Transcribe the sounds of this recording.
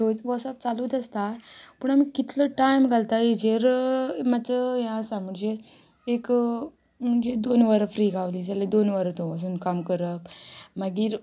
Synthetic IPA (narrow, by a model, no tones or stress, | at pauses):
t̪ot͡sʋɔʈsap̚t͡saluːd̪əst̪apəɳamikit̪ləʈajmɡʱalt̪ajed͡ʑeɾmat͡səjãsam̤əɳd͡zeː | k | m̤əɳd͡zed̪onʋəɾfɾiːɡʱaʋliːd͡zaled̪onʋəɾt̪oəs̬uːnkamkəɾəpmaɡiːɾ